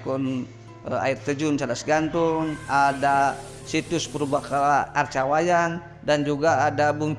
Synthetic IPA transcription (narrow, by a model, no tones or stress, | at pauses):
kun | a̰irt̪əd͡ʒunt͡ʃalasɡant̪ʊŋada | sit̪ʊspəɾubakaart͡ʃawajan | dand͡ʒuɡaːdabuŋ